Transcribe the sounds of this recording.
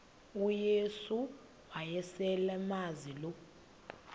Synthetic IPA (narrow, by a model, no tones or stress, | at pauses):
ujesu | wajɛsɛlɛmazilɔ